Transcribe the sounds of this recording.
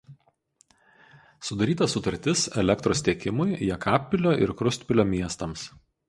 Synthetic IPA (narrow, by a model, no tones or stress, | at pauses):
sʊd̪ɐɾʲiːt̪ɐsʊt̪ɐɾʲt̪ʲɪsɛlʲɛkt̪ɾoːst̪ʲiɛkʲɪmʊjjɛkʰɑːpʲːɪlʲoːʔɪ̰ɾkɾʊst̪ʲpʲɪlʲoːmʲiɛst̪ɐms